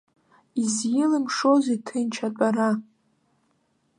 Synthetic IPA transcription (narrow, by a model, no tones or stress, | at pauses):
izjɪlɨmʂozetʰɨnt͡ʃʰat͡pʷʼaɾa